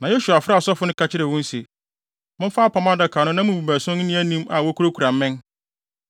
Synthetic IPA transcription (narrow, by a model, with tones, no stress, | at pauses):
nã˨jo˦su˨a˨fɪ˦ɾa˦˨sɔ˦fʊ˨˦nʊ̃˦kʰa˨t͡ɕʰɪ˦ɾɪ˨wʊ̃˦n˦se˨ | mʊ̃˦m˦faː˦pʰa˨mã˦dɛ˦˨kʰaː˨nʊ̃˦nã˦mʊ̃˨bu˨bæ˨sʊ̃˦n̩˦nĩ˦æ˦nĩ˦ma˨wɔ˦kʰu˦ɾo˦kʰu˨ɾã˨m̩˦mɪ̃˦n